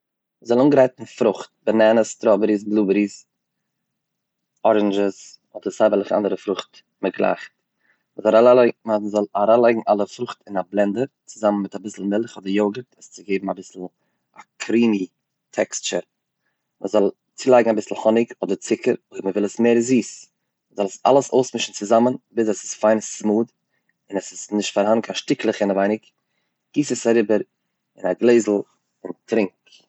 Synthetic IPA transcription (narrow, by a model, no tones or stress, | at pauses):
məzɔlˠuːnɡəɾaɪtn̩fɾʊχt̚bənɛnəstɾɔbəɾis̬blˠuːbəɾis | ɔɾɛnd͡ʒəs | ɔdəɾsaɪbəlˠɪχa̰ndəɾəfɾʊχt | məɡlˠa̰χt | məzɔɾalaamzɔlˠaɾalˠaɪɡŋ̩ʔalˠəfɾʊχtɪnablˠɛndəɾt͡sɪzamən̩mɪtabɪsl̩ˠmɪlˠχɔdəɾjoʊɡətʰəst͡sɪɡeɪbm̩abɪsl̩ˠ | akʰɾiːmi | tʰɛ̰kst͡ʃəɾ | mʔəzɔlˠ | t͡siːlˠaɪɡŋabɪsl̩ˠhɔnɪkɔdəɾt͡sɪkʰəɾoəməvɪlˠəsmeːɾziːs | məzɔlˠəsa̰lˠəsoʊsmɪʃn̩t͡sɪzamənbɪs̬asɪ̥sfaɪnəssmuːd | ɪnəsɪsnɪʃtfaɾhannkʰanʃtɪklˠəχɪnavaɪnɪk | ɡ̥iːsəsaɾɪbəɾ | ɪnaɡlˠeɪzl̩ˠ | ʊntʰɾɪŋk